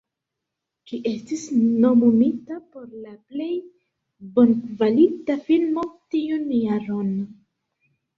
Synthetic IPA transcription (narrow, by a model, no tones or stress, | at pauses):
t͡ʃiʔe̞stisno̞munitapo̞ɾlaple̞j | bo̞nkvalitafilmo̞tiunjaɾo̞n